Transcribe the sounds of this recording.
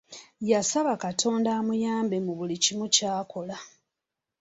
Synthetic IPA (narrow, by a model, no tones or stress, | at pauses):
jasaβakatʰo̞ːndaːmujaːmbemuβulicimucaːko̞la